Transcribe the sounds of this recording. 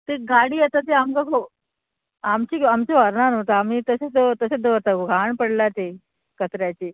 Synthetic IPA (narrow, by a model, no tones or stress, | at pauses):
t̪eɡaɽiːət̪at̪eamkakʰo | amt͡ɕiːamt͡ɕoʋəɾnanot̪aamiːt̪əsed̪ot̪əsed̪oɾt̪aɡoɡʱaɳpəɽlat̪e | kət̪ɾjat͡ɕiː